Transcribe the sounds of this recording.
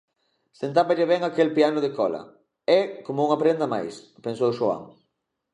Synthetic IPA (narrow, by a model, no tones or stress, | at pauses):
sent̪̬aβaʎeβɛŋakelpianʊðekɔlɐ̰ | ɛkomouŋapɾend̪ɐma̰jspensowʃoa̰ŋ